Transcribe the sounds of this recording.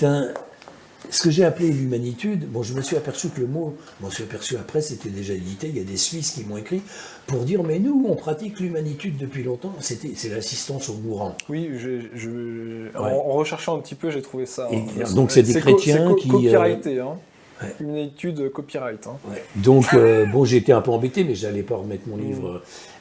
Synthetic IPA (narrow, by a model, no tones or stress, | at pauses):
t̪ɛ̃ | sə̥kəʒeaplelymanit̪yd̪bɔ̃ʒəməsɥiapɛʁsykələmo | mɔsɥiapɛʁsyapχɛset̪ɛd̪eʒaed̪it̪eljad̪esɥiskʲimɔ̃ekχi | puʁd̪iʁmɛnuɔ̃pχat̪iklymanit̪yd̪ːəpɥilɔ̃t̪ɑ̃set̪ɛsɛlasist̪ɑ̃soɡuʁɑ̃wiʒeʒəwɛ̃ʁəʃɛʁʃɑ̃ɛ̃p̚t̪ipøʒet̪χuvesaed̪ɔ̃ksɛd̪ekχet̪jɛ̃kʲiʁajt̪eɛ̃ | wɛymanit̪yd̪økɔpiʁajt̪ɛ̃wɛd̪ɔ̃købɔ̃ʒeːt̪eɛ̃pøɑ̃bet̪emɛʒalɛpaʁəmɛt̪χmɔ̃livʁə